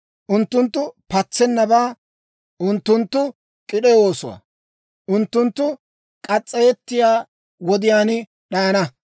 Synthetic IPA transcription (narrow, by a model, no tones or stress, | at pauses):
ʔʊnt̪ːʊnt̪ːʊpɐt͡sːɛnːɐbaː | ʔʊnt̪ːʊnt̪ːʊ | kʼɪɗɛwo̞ːsɔwa̰ | ʔʊnt̪ːʊnt̪ːʊ | kʼɐt͡sʼːɛjɛt̪ːɪjaː | wɔd̪ɪjaːnɪ | ɗɐjɐnɐ